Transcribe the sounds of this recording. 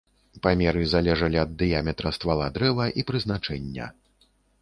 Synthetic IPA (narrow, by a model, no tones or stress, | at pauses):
pamʲɛɾɨzalʲɛʐɐlʲiɐd̪ːɨjamʲɛt̪ɾɐst̪valˠad̪ɾɛvɐʔipɾɨzn̪at͡ʂɛnʲːɐ̰